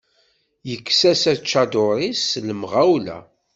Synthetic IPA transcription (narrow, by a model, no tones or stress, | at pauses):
jəkːsæsæt͡ʃːad̪ʊɾisləmʁawlæ̰